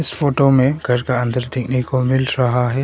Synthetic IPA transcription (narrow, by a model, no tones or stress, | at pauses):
ɪsfoːʈomẽɡʱɐɾkaɐ̃nd̪əɾd̪ɪkʰnekomɪlɾɐɦaɦɛː